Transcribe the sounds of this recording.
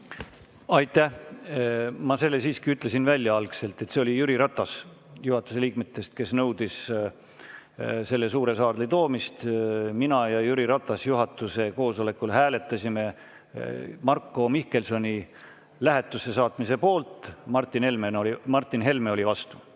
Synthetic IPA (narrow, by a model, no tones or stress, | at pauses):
ɑjt̪ːˑæh | mɑse̞lːesiːskiyt̪ˑle̞sinvælʲjɑɑlkse̞lt̪ˑe̞t̪ːse̞o̞lʲijyɾiɾɑt̪ˑːɑs | juhɑt̪ːˑuse̞lʲiːk̚met̪ːˑe̞st̪̚ke̞snɤwd̪̥is | se̞lːe̞suːɾe̞sɑːrd̪lit̪o̞ːmist̪minɑjɑjyɾiɾɑt̪ːˑɑsjuɦɑt̪ːˑuse̞ko̞ːso̞le̞kːˑulɦæːle̞t̪ːˑɑsime̞ | mɑrkːˑo̞mihke̞lso̞nʲi | læɦet̪ːˑuse̞sɑːt̪ˑmise̞po̞ːlt̪ˑmɑrt̪ːˑinhe̞lmenoimɑrt̪ˑːinɦe̞lmeo̞lʲivɑst̪u̥